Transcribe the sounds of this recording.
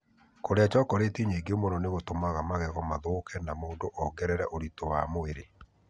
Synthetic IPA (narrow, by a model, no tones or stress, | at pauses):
koɾeat͡ʃɔːkɔɾetiɲeːɡeomonɔneɣotomaɣamaɣɛɣɔmaðokʰɛnamoːndoʔɔɡɛɾɛɾɛʔoɾitowa̰moeɾe